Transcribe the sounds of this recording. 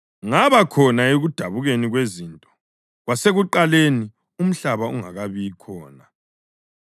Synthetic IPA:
ŋaβakʰɔnaeɣud̥ʱaβuɣeniɣweziːntʼɔ̥ | ɣwaseɣuǃaleni | um̩ɬaβauŋa̰ɣaβikʰɔ̰ːna

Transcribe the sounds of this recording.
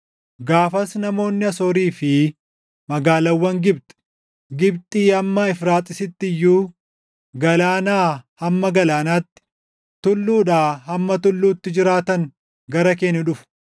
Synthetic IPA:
ɡaːfɐsnɐmo̞ːnːɪɐsoːɾiːfɪ | mɐɡaːlɐwːɐŋɡɪbt̪ʼɛ̥ | ɡɪbt̪ʼiːɐmːɐɪfɾaːt̪ʼːɪsɪt̪ːɪjːuː | ɡɐlaːnaːhɐmːɐɡɐlaːnaːt̪ːɪ̥ | t̪ʊlːuːᶑaːhɐmːɐt̪ʊlːuːt̪ːɪd͡ʒɪɾaːt̪ɐŋ | ɡɐɾɐk̬eːnːʊᶑʊfʊ̥

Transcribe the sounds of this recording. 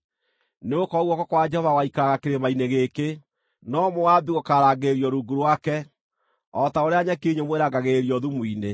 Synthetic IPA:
neokɔɣwɔkɔkwad͡ʒɛhɔvawaikaaɣakeɾemaineɣeke | nɔmowabiɣokaɾaɡeɾiɔɾuɡuɾwakɛ | ɔtaoɾeaɲakeɲomweɾaɡaɣeɾiɔðumwiːne

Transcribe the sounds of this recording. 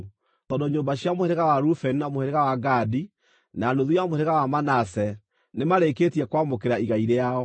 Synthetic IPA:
tɔːdɔɲoːmbaɕiamoheɾeɣawaɾufɛninamoheɾeɣawaɡadi | nanoðujamoheɾeɣawamanasɛ | nemaɾeketiɛkwamokeɾaiɣaiɾeaɔ

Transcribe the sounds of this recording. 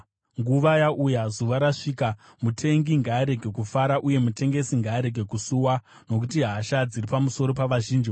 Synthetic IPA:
ŋɡuʋajaʔujazuʋaɾaʂiːka | mutʰe̞ŋɡiŋɡaːɾe̞ɡʱe̞kufaɾaʔuje̞mute̞ŋɡe̞siŋɡaːɾe̞ɡʱe̞kusuwa | no̞k̬utiɦaːʃad͡ziripamuso̞ɾo̞paʋaʒiːnd͡ʒi

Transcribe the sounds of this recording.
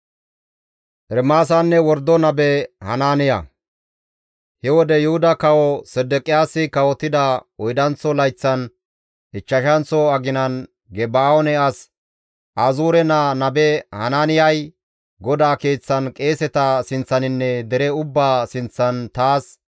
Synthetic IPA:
ʔɛɾmaːs̬ɐnːɛwɔɾd̪ːɔnɐbɛhɐ̰naːnɪjɐ̰ | hɛwɔd̪ɛjʊhʊd̪ɐkɐwɔsɛd̪ɛkʼɪjaːsɪkɐwɔt̪ːɪd̪ɐɔjd̪ɐnt͡sːɔlɐjt͡sːɐn | ɪt͡ʃːɐʃɐnt͡sɔɐɡɪnɐn | ɡɛbaːɔnɛɐs | ʔaːzuːɾɛnanɐbɛhɐ̰naːnɪjɐj | ɡɔd̪aːkeːt͡sːɐnkʼe̞ːsɛt̪ɐsɪnt͡sːɐnɪnːɛd̪ɛɾɛʊbːaːsɪnt͡sːɐnt̪aːs

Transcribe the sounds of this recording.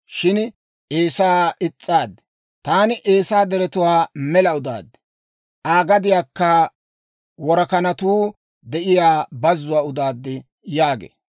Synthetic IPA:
ʃɪn | ʔeːsaːɪt͡sʼːaːd̪ːɛ̥ | t̪aːnɪʔeːsaːd̪ɛɾɛt̪ʊwaːmɛlɐʊd̪a̰ːd̪ːɛ̥ | ʔaːɡɐd̪ɪjaːkːɐ | wɔɾɐkɐnɐt̪uː | d̪ɛʔɪjaːbɐzːʊwaːʊd̪aːd̪ːɪ | jaːɡḛː

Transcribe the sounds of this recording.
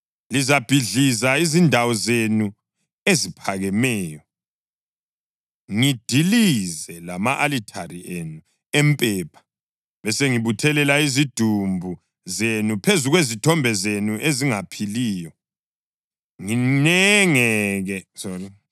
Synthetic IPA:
lizab̥ʱiɮizaizindʱawɔzenu | ezipʰaɣɛmɛːjɔ | ŋid̥ʱilizɛlamaʔalitʰarienu | empʼɛːpʰḁ | βɛseŋiβutʰɛlɛlaizid̥ʱumbʱu | zenupʰezuɣwezitʰɔmbʱɛzenuʔeziŋapʰiliːjɔ | ŋinɛŋɛɣɛsori

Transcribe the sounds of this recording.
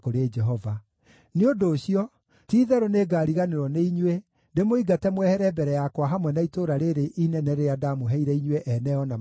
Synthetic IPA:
koɾed͡ʒɛɦɔva | neondoːɕiɔ | tiːðɛɾoneːɡaːɾiɣaneɾɔneiɲwe | ndemoiɡatɛmwɛhɛɾɛbɛɾɛjakwaɦamwɛnaitoɾaɾeɾeʔinɛnɛɾeadamoɦɛiɾɛiɲweʔɛnɛɔna

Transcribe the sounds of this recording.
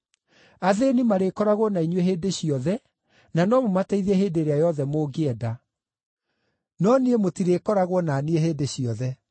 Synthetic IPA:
aðenimaɾekɔɾaɣwɔnaiɲweɦeːdeɕiɔðɛ | nanɔmomataiðɛɦeːdeɾeajɔðɛmoːɡeɛda | nɔniemotiɾeːkɔɾaɣwɔnaːnieɦeːdeɕiɔðɛ

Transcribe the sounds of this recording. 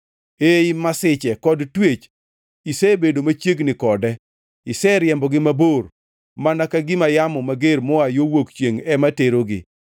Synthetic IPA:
eɪmasɪt͡ʃɛkɔdtwet͡ʃ | isɛbedomat͡ʃjeɡnɪkɔdɛ | ɪsɛɾjɛmbɔɡɪmabor | manakaɡɪmajamɔmaɡeɾmɔajowokt͡ʃjeŋɛmateɾoɡɪ̰

